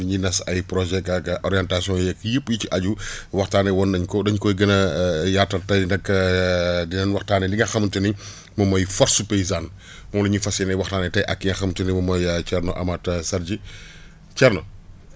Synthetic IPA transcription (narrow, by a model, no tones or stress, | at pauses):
diɲinɐsɐjpɾɔʒɛkɐkɐʔɔɾjɛntasjɔ̃jɛkjəpːjiciʔɐɟuwɐxtaːnɛwɔnːɐɲkɔdɐɲkɔjɡɐnɐjatːɐtɐjnɐkː | dinɐnwɐxtaːnɛliŋɡɐxɐmtəni | mɐmɔjfɔɾsupɛjzan | mɔlɐɲifɐsɛnɐjwɐxtaːnɛtɐjʔɐkːiŋɐxɐmtənimɔmɔjɐt͡ʃɛrnɔʔɐ̰matsɐɾd͡ʒi | t͡ʃɛrnɔ